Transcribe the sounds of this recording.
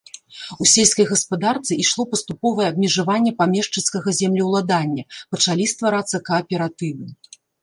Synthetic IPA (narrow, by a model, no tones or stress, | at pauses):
usʲelʲsʲkɐjɣɐspad̪art̪sɨiʂlˠɔpɐst̪upɔvɐjɛɐb̚mʲɛʐavanʲːɛpamʲɛʂt͡ʂɨnskɐɣɐzʲɛmlʲiwlˠad̪anʲːɐpɐt͡ʂalʲist̪vaɾat̪sːɐkɐːpʲɛɾat̪ɨvɨ